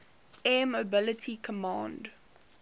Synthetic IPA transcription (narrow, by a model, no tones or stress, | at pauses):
ɛmobɪlətʰikʰəmɑ̃ːnd